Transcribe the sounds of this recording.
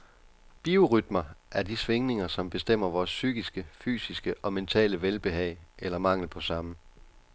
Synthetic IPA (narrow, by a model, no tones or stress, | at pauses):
b̥io̝ʁyd̥mɐʔæɐd̥isʋe̝ŋne̝ŋɐsɒ̽mb̥e̝sd̥em̰ɐʋɒːsːyɡ̥isɡ̥əfy̰ːsisɡ̥əʔɒ̽ment͡sʰɛ̰ːləʋelb̥e̝ɦɛɪ̰ʔelɐmɑ̈ŋ̰l̩pʰɒ̽sɑ̈mə